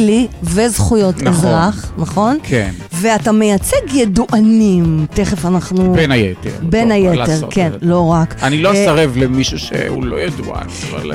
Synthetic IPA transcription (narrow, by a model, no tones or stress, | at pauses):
livezχujo̞tezʁaχnaχo̞nkenveatame̞jat͡seɡjeduʔanimteχefanaχnubenajetḛʁbenajeeʁkenlo̞ʁakanilosaʁevlemiʃuʃḛṵlo̞jeduʔa̰nava̰l